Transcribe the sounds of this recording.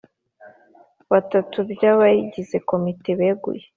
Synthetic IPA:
βatatubjaβajiɟize̞ko̞miteβeɡṵje

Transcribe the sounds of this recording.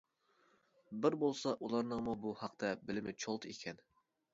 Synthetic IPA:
bɪɾbolˠsɑʔulˠɑɾnəŋmubuhɑq̚t̪ʰɛbɪlɪmɪt͡ʃʰolˠt̪ʰikʲʰɛn

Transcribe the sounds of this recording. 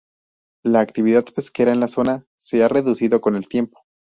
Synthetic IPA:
laːkt̪iβ̞iðaðpe̞ske̞ɾaenlaso̞na | se̞are̞ðusiðo̞ko̞ne̞lt̪je̞mpo̥

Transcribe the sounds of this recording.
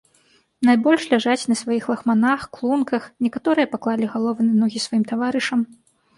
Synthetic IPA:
najbɔlʲʂlʲaʐat͡sʲnɐsvajixlˠɐxmanaxklˠunkɐxnʲɛkat̪ɔɾɨjɐpaklˠalʲiɣalˠɔvɨnɐnɔɣʲisvajimt̪avaɾɨʂɐm

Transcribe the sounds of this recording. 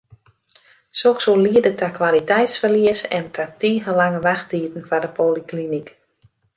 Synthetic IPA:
soksoliədətakʋalitɛjtsfərliəsɛntʰatiːɦəlaŋəʋaxtiːtən̩fadəpʰoːliklinik

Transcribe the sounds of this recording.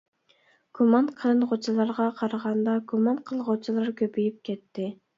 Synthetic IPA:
ɡ̥umɑnqʰəlˠɨnʁot͡ʃʰilˠɑɾʁɑqʰɑɾɑʁɑnd̪ɑɡumɑnqʰəlˠʁot͡ʃʰilˠɑɾkʲʰøpyjyp̚kʲʰɛt̪ʰːɪ

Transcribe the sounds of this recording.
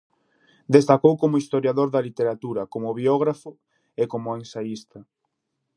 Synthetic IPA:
d̪est̪akowkomʊist̪oɾjaðoɾðɐlit̪eɾat̪uɾɐkomʊβjɔɣ̞ɾafʊ | ekomʊensaist̪ɐ

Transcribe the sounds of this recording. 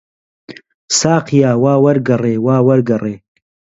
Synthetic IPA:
saːqʰijaːwaːwɐɾɡɐreːwaːwɐɾɡɐreː

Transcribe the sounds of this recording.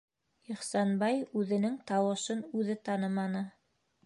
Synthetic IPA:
iχsɑnbɑjʉðɘ̆nɘŋt̪ɑwɤ̆ʃɤnʉðɘt̪ɑnɤmɑnɤ

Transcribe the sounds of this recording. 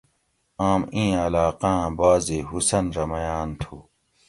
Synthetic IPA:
aːmĩːɐlaːqãːbaːzeɦusɐnɾɐmɐjaːnt̪ʰuː

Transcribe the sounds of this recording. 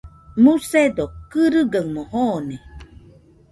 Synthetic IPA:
mused̪okɯɾɨɡaŋmohone

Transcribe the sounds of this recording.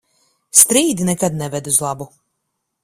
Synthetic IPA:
st̪ɾiːd̪inɛkad̪nɛvɛd̪uzlˠabu

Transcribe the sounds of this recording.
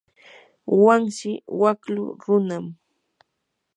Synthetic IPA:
waŋʃɪwaklʊ̰ɾʊnam

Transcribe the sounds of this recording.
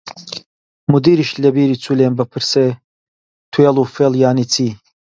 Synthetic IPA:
mud̪iːɾiʃlɐbiːɾit͡sʰulembəpʰɨɾse | t̪ʰuelˠufelˠjaːnit͡sʰiː

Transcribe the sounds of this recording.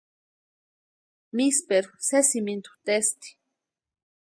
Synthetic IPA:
mispeɾu̥sesimint̪u̥t̪est̪i̥

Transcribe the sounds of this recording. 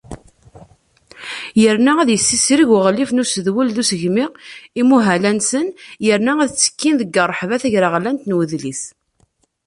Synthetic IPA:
jəɾnææðjəsːisɾiʝəʁlifnusəðwəlðusəʝmɪʁimuɦælænsənjəɾnææðt͡sːə̥kːinðəɡːərˤːəħvæθæʝɾaʁlænt̪nwəðliθ

